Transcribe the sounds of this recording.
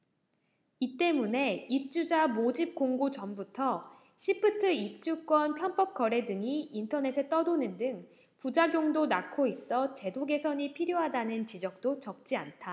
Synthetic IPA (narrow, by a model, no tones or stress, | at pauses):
it͈e̞mune̞ip̚t͡ɕ͈ud͡ʑamod͡ʑip̚k͈oŋɡut͡ɕʌmbutʰʌ | ɕʰipʰɯtʰɯip̚t͡ɕ͈uk͈wʌnpʰjʌnp͈ʌp̚k͈ʌɾe̞dɯŋiːntʰʌne̞sʰe̞t͈ʌdonɯndɯŋ | pud͡ʑaɡjoŋdonakʰois͈ʌt͡ɕe̞doɡe̞sʰʌɲipʰiɾjoɦadanɯnt͡ɕid͡ʑʌk̚t͈ot͡ɕʌk̚t͡ɕ͈iantʰa